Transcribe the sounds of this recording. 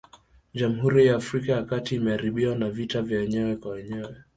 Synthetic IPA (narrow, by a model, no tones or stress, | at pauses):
ʄam̩huɾijaːfɾikajakatiːmɛaɾiɓiwanavitavjawɛɲɛwɛkwawɛɲɛwɛ